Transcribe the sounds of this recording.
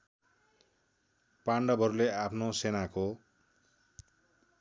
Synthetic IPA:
paɳɖʌbʱʌɾuleapʰnosenako

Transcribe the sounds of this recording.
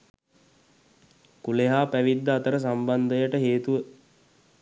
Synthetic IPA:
kuleɦaːpæʋid̪ːəat̪əɾəs̬amband̪əjəʈəɦeːt̪uʋə

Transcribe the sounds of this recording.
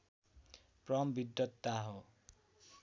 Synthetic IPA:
prʌmbid̪ːʌt̪ːaɦo

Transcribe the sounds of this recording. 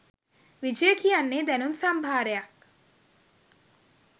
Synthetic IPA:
ʋid͡ʒəjəkʰijanːeːd̪ænumsambʱaːɾejak

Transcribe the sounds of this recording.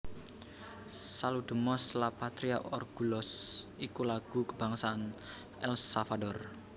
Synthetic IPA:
salud̪̥ə̤mɔslapat̪ɾiaʔɔ̰rɡ̥ulɔsikulaɡ̥ṳkəb̥a̤ŋsaːn | ɛlsafadɔr

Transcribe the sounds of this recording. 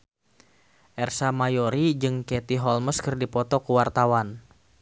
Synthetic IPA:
ʔɛrsamajoɾid͡ʒɨŋkɛt̪iɦɔlməskɨrdipɔt̪ɔkəwart̪awan

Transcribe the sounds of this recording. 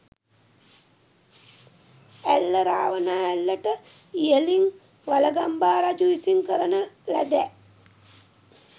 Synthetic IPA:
ælːəɾa̰ːʋənaːælːəʈə | ijəliŋ | ʋaləɡambaːɾad͡ʒuisiŋkəɾənəlæ̰d̪æ

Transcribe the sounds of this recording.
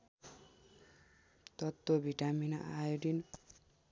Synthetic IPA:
t̪ʌt̪ːobʱiʈamina̰ʔajoɖin

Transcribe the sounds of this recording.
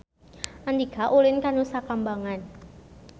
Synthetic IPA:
ʔandiɡaʔulɪnkanusakambaŋan

